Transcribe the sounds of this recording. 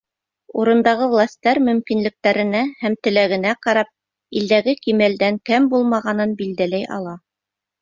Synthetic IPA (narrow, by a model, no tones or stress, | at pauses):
uɾɤ̆nd̪ɑʁɤvlˠɑsʲt̪ːɑɾmɵ̆mkinlɘ̆k̚t̪æɾɘ̆næhæmt̪ɘ̆læɡɘ̆næqɑɾɑp̚ | ild̪æɡɘkimæld̪æŋkæmbulˠmɑʁɑnɤnbild̪ælæjʔɑ̰lˠɑ